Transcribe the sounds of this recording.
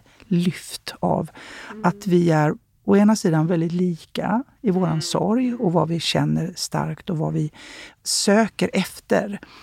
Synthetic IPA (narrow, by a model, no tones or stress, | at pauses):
lʏft̪a̰vat̪vɪæɾ | ɔeːnasiːd̪anvɛld̪ɪt̪liːka̰ | ɪvoːɾansɔ̰ɾjɔvavɪɕɛnːəɾst̪a̰ɾkt̪ɔvavɪsøːkəɾʔɛft̪ə̰ɾ